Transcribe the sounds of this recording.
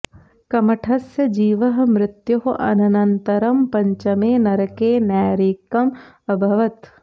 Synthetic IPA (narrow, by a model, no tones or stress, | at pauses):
kɐmɐʈʰɐsjɐd͡ʒiːʋɐɦmɾɪt̪joɦʔɐ̰nɐnɐnt̪ɐɾɐmpɐɲt͡ʃɐmeːnɐɾɐkeːnaːɾiːkɐm | ɐbʱɐʋɐt̪